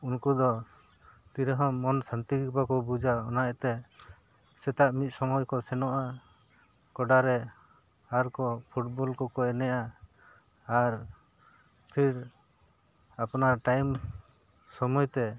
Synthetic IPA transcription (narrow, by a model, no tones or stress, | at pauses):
unkud̪ɔ | t̪iɾɛɦɔːɔnsant̪iɡikpakɔbud͡ʒaɔnaɛt̪ɛ | sɛt̪aʔmit̪̚ˀsɔmɔjkɔsɛnɔʔa | kɔɖaɾɛ | aɾkɔpʰuʈbɔlkɔkɔɛnɛjaː | ɾ | pʰiɾ | apnaɾʈajm | sɔmɔjt̪ɛ